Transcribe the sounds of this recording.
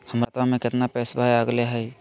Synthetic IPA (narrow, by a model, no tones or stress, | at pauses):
həmɾat̪ʋamẽkɪt̪napɛːsbʱajəɡleɦɛj